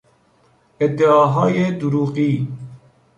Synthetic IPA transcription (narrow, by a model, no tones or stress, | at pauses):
ɛd̪eɑːɦɑːjeːd̪uɾuːqiː